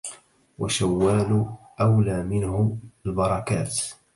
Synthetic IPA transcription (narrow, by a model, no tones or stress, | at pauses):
waʃawːaːlʊ | ʔawlaːmɪnhʊalbɑɾˤɑkaːt̪